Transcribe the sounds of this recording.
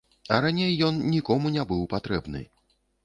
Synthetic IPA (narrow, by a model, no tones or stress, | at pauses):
ɐɾanʲejːɔnnʲikɔmunʲɛbɨwpat̪ɾɛbnɨ̰